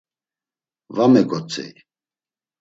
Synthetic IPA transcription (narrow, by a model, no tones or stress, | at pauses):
vamɛɡɔt͡sʼɛ̰j